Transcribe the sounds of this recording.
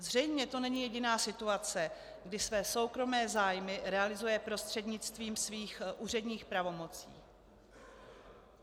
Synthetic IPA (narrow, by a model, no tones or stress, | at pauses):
zr̝ɛjmɲɛt̪o̞nɛɲɪjɛɟɪnaːsɪt̪uat͡sɛ | ɡdɪsvɛːso̞wkɾo̞mɛːzaːjmɪɾɛalɪzujɛpɾo̞st̪r̝̥ɛdɲɪt͡st̪viːmsviːxʔuːr̝ɛdɲiːxpɾavo̞mo̞t͡sḭː